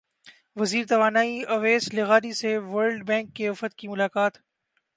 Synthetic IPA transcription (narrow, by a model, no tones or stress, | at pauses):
ʋɐziːɾt̪ɐʋaːnaːiɐʋeːslɪɣaːɾiseʋəːɾɖbɛ̃ːŋkːeʊfət̪kimʊlaːkaːt̪